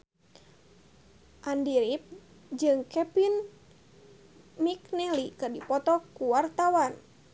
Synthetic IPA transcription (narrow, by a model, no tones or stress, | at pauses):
ʔandiɾip̚ | d͡ʒɨŋkɛpin | miknɛlikɨdipɔt̪ɔkuwart̪awan